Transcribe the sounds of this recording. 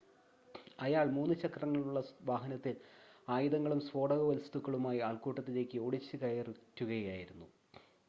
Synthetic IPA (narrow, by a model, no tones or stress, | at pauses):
ɐjaːɭmuːnːɨt͡ɕɐkrɐŋːɐɭuɭːɐʋaːɦɐnɐt̪ːilaːjiðɐŋːɐɭumsʋo̞ːɽɐɣɐʋɐlst̪ukːɐɭumaːjiaːɭkuːʈːɐt̪ːile̞ːkʲːɨoːɽit͡ɕːɨkɐjɐritːuɣɐjjaːjiɾunːu